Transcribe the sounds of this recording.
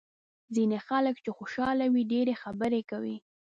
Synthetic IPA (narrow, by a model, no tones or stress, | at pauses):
zinexaləkt͡ʃexoʃɑlawiɖeɾexabəɾekawi